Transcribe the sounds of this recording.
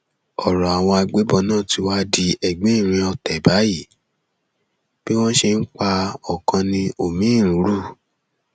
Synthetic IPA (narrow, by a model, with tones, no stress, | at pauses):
ɔ˨ɾɔ˨a˨w̃ɔ̃˧a˧ɡ͡be˨˦bɔ˧˨nãː˦˨ti˨˧˦wa˦di˧ɛ˨ɡ͡bẽ˨˦i˦˨ɾ̃ĩ˧ɔ˧tɛ˨ba˨˦ji˦˨ | b̥i˦w̃ɔ̃˦ʃe˧n̩˦k͡pa˧ɔ˨kã˧nĩ˧o˨mĩ˨˦˨ɾũ˨˦ɾu˦˨